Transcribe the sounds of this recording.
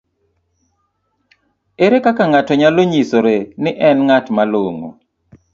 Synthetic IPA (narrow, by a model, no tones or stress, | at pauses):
eɾekakaŋatɔɲaloɲisoɾenɪʔɛnŋatmaloŋo̰